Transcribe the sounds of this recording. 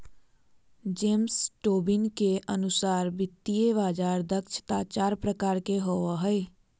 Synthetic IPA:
d͡ʒeːmsʈoːbɪnkeʔənʊsaːɾbɪt̪ːijeβaːd͡ʒaːɾd̪əkʃə̥t̪aːt͡ʃaːɾpɾəkaːɾkeɦoaɦɛe

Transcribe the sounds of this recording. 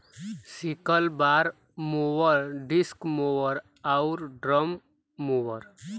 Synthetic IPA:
sikəlbaɾ | mowəɾɖiskmoʋəɾ | aʊɾɖɾəmː | owəɾ

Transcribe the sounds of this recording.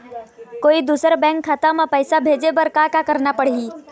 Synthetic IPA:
koid̪usəɾbɛ̃ŋkʰːat̪amepəjsabʱed͡ʒebəɾkakakəɾnapəɽ̤ɦi

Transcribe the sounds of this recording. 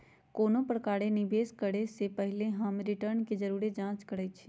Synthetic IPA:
koːnõpɾəkaːɽenɪbeːskəɽesepəɦɪleɦəmɾɪʈəɾnked͡ʒəɾuːɾed͡ʒãːt͡ʃkəɽət͡ʃʰi

